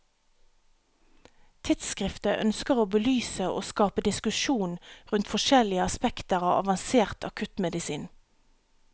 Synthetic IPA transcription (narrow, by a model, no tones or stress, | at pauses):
t̪ʰɪt̪skʁɪft̪əʔœ̰nskəʁoːbəlyːsəʔo̰ːskɑːpəd̪ɪskʉʃuːnʁʉnt̪fɔʃɛlɪəɑspɛkt̪əʁɑ̰ːʋɑ̰ʋɑnseːʁt̪ʰɑ̰kʰʉt̪mɛd̪ɪsiːn